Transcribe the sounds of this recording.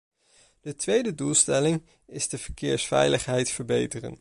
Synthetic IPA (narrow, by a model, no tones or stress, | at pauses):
d̥ətʋejdədulˠstɛlɪŋ | ɪzdəvəɹkɪːɹsfɛ̰jləχɦɛjtfəɹbejtərə̰n